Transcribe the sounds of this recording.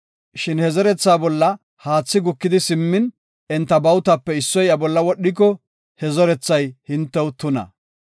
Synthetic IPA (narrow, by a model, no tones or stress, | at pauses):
ʃɪnhɛzɔɾɛt͡sːaːbɔlːɐ | haːt͡sːɪɡʊkːɪd̪ɪsɪmːɪn | ɛnt̪ːɐbɐwt̪ɐpːɛɪsːɔjɐbɔlːɐwɔɗːɪk̬ːɔ | hɛzɔɾɛt͡sːɐjhɪnt̪ːɛwʊt̪ːʊnɐ̰